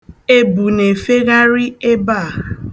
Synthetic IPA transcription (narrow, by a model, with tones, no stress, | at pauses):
e˦bu˨ne˨fe˦ɣa˦ɾi˦e˦ba˦˨